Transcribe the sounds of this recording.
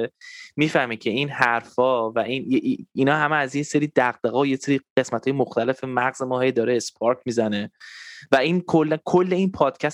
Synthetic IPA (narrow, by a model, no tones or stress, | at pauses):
miːfæhmicʰe̞iːnhæɾfɒːvæʔinjeʔinɒːɦæmeæzjeseɾiːd̪̥æɣd̪eɣɒːojeseɾiːɢ̥e̞smæt̪ʰːjemoxt̪æle̞femæɣz̥emɒːhejd̪ɒːɾeːspʰɒɾcʰmiːzæne̞væiːnkʰolːænkʰolːe̞inpʰɒːd̪̥cʰæs